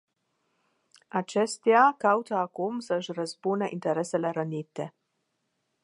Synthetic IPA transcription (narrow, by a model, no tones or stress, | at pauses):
at͡ʃɛst̪jakawt̪aːkomsɐʒɾazbunɛʔint̪ɛɾɛsɛlɛɾənʲit̪ɛ